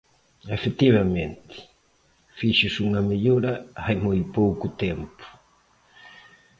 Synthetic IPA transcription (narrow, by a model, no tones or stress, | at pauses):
efet̪iβɐmẽnt̪ɪ̥ | fiʃʊsuŋɐmeʎoɾɐajmojpowkʊt̪empʊ̥